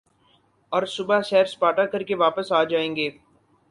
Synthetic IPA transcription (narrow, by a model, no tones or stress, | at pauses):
ɔːɾsʊbaʃɛːɾspaːʈakɐɾkeʋaːpəsaːd͡ʒaːẽːŋɡeː